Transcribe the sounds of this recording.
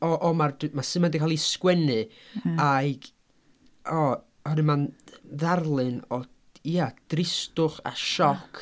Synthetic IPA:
ɔʔɔmardmasɨmandikʰalˠiskwɛnɨaɡ̥ | ɔ | hɔɾɨmanðarlˠɨnɔ | iad̥rɪstʊχa̰ʃɔkʰ

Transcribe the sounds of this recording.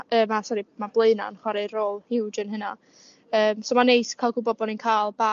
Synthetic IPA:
əːmasɔɾimablˠeɨna̰nχwaɾeroːlˠhɪwdənɦəna | əːmsoːmanejskʰalˠɡʊbɔd̚bɔninkʰalˠba

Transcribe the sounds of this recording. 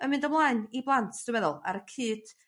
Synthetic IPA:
ənmɨndəmlˠaɨniblˠantʰd̥əmɛðʊlˠa̰ɾəkʰɨːd̥

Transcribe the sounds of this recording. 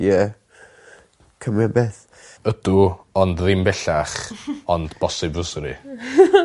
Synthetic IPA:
jɛ | kʰəmabɛːθ | ədʊɔndðɪmbɛɬaχɔndb̥ɔsɪbvəsɾḭ

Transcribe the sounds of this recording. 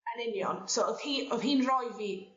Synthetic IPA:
ɛnɪnjɔnsoɔðhiːɔðɦiːnrɔjviː

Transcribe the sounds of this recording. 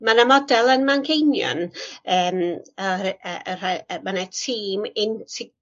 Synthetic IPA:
manamɔdɛlˠənmankʰejnjɔ̰nəːməɾəər̥amanatʰiːmɪntʰɪ

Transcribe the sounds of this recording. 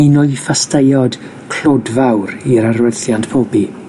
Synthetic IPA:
inɔɨfastʰəjɔd | kʰl̥odvawɾiɾarwəθjantpʰoːbi

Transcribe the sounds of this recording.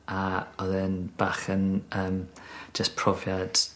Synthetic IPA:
aɔðɨnb̥aχənəːmd͡ʒəspʰrɔvjad̥

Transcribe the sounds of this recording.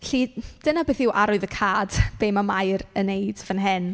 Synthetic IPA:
ɬid̥ənabeːθɪwʔaɾʊɨðəkʰaːd̥b̥eːmamajrənejd̥vənɦɪn

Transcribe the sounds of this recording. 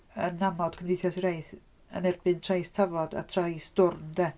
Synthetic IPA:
ənːamɔd̥kʰəmnɪθjɔsiɾajθ | ə̰nɛrbɨntʰrajstʰavɔda̰tʰrajsd̥ʊrndɛ

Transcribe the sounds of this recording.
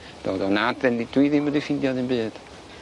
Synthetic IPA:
d̥o̰ːðɔnadðɛndid̥wiðɪmədifɪndjaðɨnbɨːd̥

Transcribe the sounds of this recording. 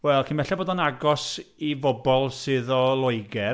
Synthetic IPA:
wɛlˠkʰinmɛɬɛboːdɔnaɡɔsivɔbɔlˠsɨðɔlˠʊɨɡɛ

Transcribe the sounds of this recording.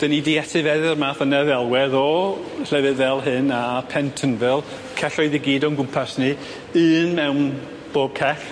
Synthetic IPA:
d̥ənidiɛtʰɨvɛðɨrmaːθənɛðɛlˠwɛðɔ | ɬɛvɨðvɛlˠɦɨnapʰɛntʰənvɛlˠ | kʰɛɬɔɨðiɡiːdɔnɡʊmpʰasnɨ | ɨːnmɛwn | b̥oːb̥̚kʰɛɬ

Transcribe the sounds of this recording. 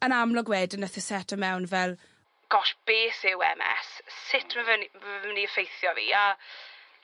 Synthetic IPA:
ənamlˠɔɡwɛːdənəθəsɛtʰəmɛwnvɛlˠ | ɡ̥ɔʃb̥eːθɪwɛ̰mɛ̰sːɪtʰmavənimavəniəfejθjɔvḭːa

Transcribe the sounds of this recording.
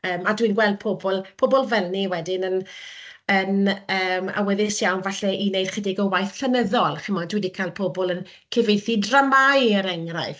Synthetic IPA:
əːmadwinɡwɛlˠd̚pʰobɔlˠpʰobɔlˠvɛlˠniwɛdɪnən | ənəːma̰wɛðɪsjawnvaɬɛʔinejd̥χədɪɡɔwajθɬənəðɔlˠχɪmɔndwidikʰalˠpʰobɔlˠən | kʰɪvejθidramajəɾɛŋraɨθ

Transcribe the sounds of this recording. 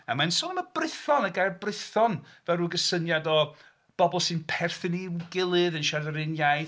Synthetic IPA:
əmansɔnəməbrɪθɔnəɡajrbrɨθɔnvɛruːɡəsənjadɔ | b̥ɔbɔlˠsɨnpʰɛrθɪniɡɪlˠɨðənʃarðəɾɪnjaj

